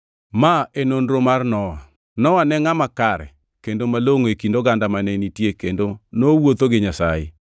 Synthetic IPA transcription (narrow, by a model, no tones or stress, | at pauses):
maʔenonɾomarnɔwa | nɔwanɛŋamakaɾɛ̰ | kendomaloŋoekindoɡandamanɛnitjekendonowot̪oɡɪɲasa̰jḛ